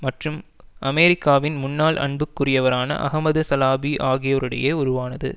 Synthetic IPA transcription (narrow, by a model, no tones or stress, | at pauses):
mɐʈrɯm | ʔɐmeːɾɪkːaːʋɪnmʊnːaːlʔɐ̰ɳbɯkːʊrɪjɐʋɐɾaːnɐ̰ʔɐ̰ɦɐmɐðɯsɐlaːbiʔaːɣɪjoːɾɯɽɐjɐʊɾʊʋaːnɐðɯ̰